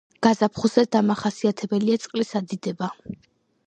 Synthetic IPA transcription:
ɡ̥azapʰχuzɛd̪amaχasiat̪ʰɛbɛliat̪sʼqʼlisad̪id̪ɛba

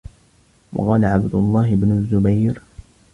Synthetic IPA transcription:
wɑ̰qɑːlaʕabd̪ʊlˤːɑːɦɪbnʊzːʊbajɾ

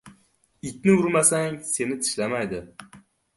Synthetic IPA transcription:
ɪt̪̚ʲnɪʊɾmasaŋse̞nɪt̪ʰɪ̥ʃlamajd̪ɪ

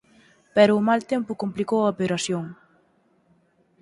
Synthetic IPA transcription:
pɛɾʊːmalt̪ɛmpʊkomplikowɐopeɾasjoŋ

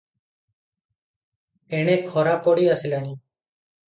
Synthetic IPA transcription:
eːɳẽːkʰoːɾaːpoːɽiːəsɪlaːniː

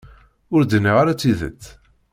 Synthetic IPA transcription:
ʊɾd̪nːiʁaɾat͡sːiðə̰t͡sː

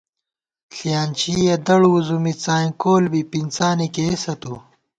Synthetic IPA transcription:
ɬijaːnt͡ɕijed̪ɐɽuuzumit͡saːjkoːlbipint͡saːnikeesɐt̪u

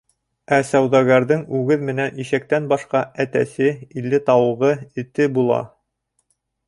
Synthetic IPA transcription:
æsæwðɑɡæɾðɘŋʉɡɘðmɘ̆næniʃæk̚t̪ænbɑʃqɑæt̪æ̰sɘilːɘt̪ɑwɤ̆ʁɤɘ̆t̪ɘbulˠɑ̰

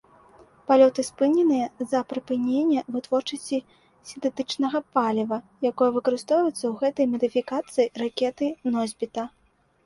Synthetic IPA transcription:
palʲɔt̪ɨspɨnʲɛnɨjɐzɐpɾɨpɨnʲenʲːɛvɨt̪vɔrt͡ʂɐsʲt͡sʲi | sʲint̪ɛt̪ɨt͡ʂnɐɣɐpalʲivɐjakɔjɛvɨkɐɾɨst̪ɔwvɐjɛt̪sːɐwɣɛt̪ɐjmɐd̪ɨfʲikat̪sɨjirakʲɛt̪ɨnɔzʲbʲit̪ɐ

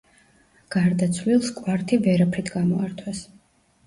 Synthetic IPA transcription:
ɡ̥aɾd̪at̪sʰlilˠskʼwaɾt̪ʰivɛɾapʰɾit̪ʰɡamɔa̰ɾt̪ʰwɛs

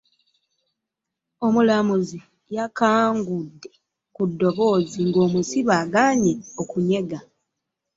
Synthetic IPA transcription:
o̞mulamuzi | jakaːŋɡudːe̞ | kudːo̞βo̞ːziŋɡo̞ːmusiβaːɡaːɲeokuɲe̞ɡa

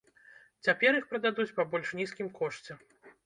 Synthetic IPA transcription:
t͡sʲapʲɛɾixpɾɐd̪ad̪ut͡sʲpabɔlʲʂnʲiskʲimkɔʂt͡sʲɛ

